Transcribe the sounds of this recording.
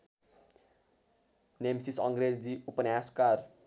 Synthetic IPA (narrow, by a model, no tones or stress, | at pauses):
nemsisʌŋɡɾed͡ziupʌnaskar